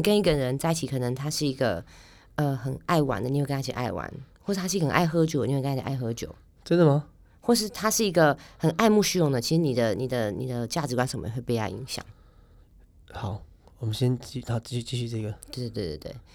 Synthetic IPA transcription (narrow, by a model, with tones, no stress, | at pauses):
i˨˩kə˥ni˧˥ɡə˨ɻə˧˦nt͡sa˥˧ɪi˥t͡ɕʰi˧˩kʰɤ˨˩nɤ˧˥ŋt̪ʰa˥ʂɻ̩˥˩i˧˥ɡə̰˧ | ə˧xə˨˩na˥˩ɪwa̰˧˥nd̪ə˧ɲi˨˧w̪a˥˩ḭ˨˩ʔa̰˥˩ɪwa̰˧˦nxwʂɻ̩˧˥t̪ʰa˥˧ə˩˨˩nʔa˥˩ɪxɤ˧˥t͡ɕjo˨˦d̪wkːʰʔa˥˩xɤ˧˥t͡ɕjo̰˨˩ʊ | t̪we˥˧d̪ə˨mɐ˨ | xwɔ˥˧ʂ̬ɻ̩˥˩t̪ʰa˥ʂɻ̩˥˩i˧˥ɡə˧xə˨˩nʔa˥˧ɪmu˥˧ɕy˥jʊ˥˩ŋd̪ə˨t͡ɕʰi˧˥ʂɻ̩˧˥ni˨˩d̪ə˦ni˨˩d̪ə˦ni˨˩d̪ə˦t͡ɕja˥˩ʈ͡ʂɻ̩˧˥kwa˧˥nʂə˧˨˩mə̰˧˥xwe˥˩pu˥˩˥jɑ˥˩ʊḭ˧˥ŋɕjɑ̰˨˩˦ŋ | xɑ˨˩˦ʊ | wɔ˨˩mə˦nɕjɛ˦nt͡ɕi˥˧na˧˥˦t͡ɕi˥˧ɕy˥˧t͡ɕi˥˧ɕy˥˧t͡sɤ˥˩˨ɡə˩t̪we˧t̪we˥˧t̪we˥˧˩t̪we˥˧˩t̪we˥˩ɪ